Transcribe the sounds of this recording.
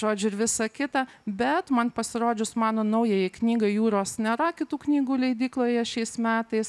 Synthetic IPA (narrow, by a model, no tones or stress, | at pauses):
ʒoːd͡ʒʲʊɪɾʋʲɪsɐkʲɪt̪ɑbʲɛt̪mɐnpɐsʲɪɾoːd͡ʒʲʊsmɑːnoːnɐʊjejɪknʲiːɡɐɪjuːɾoːsnʲɛɾɐkʲɪt̪uːknʲiːɡuːlʲɛɪd̪ʲiːklˠoːjɛʃʲɛɪsmʲæːt̪ɐɪs